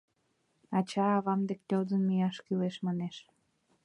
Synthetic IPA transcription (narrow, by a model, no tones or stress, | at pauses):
ɑt͡ɕɑːβɑmd̪ek̚t̪ʲolzənmijɑʃkyleʃmɑneʃ